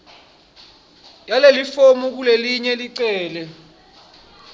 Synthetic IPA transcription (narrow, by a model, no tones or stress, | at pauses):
jalelifomuk̬uleliɲɛliǀɛːlɛ